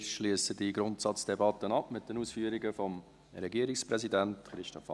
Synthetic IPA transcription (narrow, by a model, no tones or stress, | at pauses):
ʃliəsədiɡɾʊntsɑt͡sd̥ɛbɑtːənɑpmɪt̚dənuːsfyəɾiɡəfɔm | ɾɛɡiəɾɪkspɾɛzidæntχɾɪʃtɔfɑ